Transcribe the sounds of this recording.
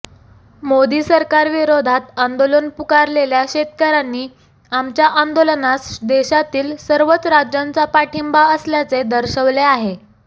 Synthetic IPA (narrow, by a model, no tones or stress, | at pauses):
mod̪iːsəɾkaɾʋiɾod̪ʱat̪and̪olənpukaɾleljaɕet̪̚kəɾanːiː | amt͡ɕjaʔand̪olənasd̪eɕat̪iːlsəɾʋət͡sɾad͡ʑjant͡sapaʈʰimbaəsljat͡sed̪əɾɕəʋleaɦe